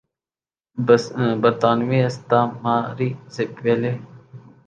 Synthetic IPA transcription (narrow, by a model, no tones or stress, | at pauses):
bəɾt̪aːnʋiːəst̪aːmaːɾiːsepʋeleː